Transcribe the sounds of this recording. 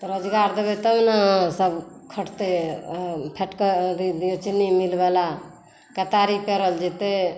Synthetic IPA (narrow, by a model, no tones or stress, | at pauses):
t̪ɔɾəd͡ʒɡaɾd̪ebet̪əmnasəbkʰəʈt̪e | pʰeʈkəd̪d̪ijot͡ʃinimilbala | kət̪aɾipeɾəld͡ʒet̪e